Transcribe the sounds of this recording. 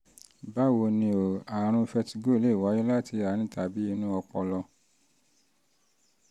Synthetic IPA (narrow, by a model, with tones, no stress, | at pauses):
ba˦wo˧nĩ˧o˨a˨ɾ̃ũ˧fɛ˧ti˧ɡo˦i˧˦le˦˨wa˨˦ji˦la˦˨ti˧a˨ɾ̃ĩ˦ta˨bi˨˦i˧nũ˦ɔ˧k͡pɔ˧lɔ˧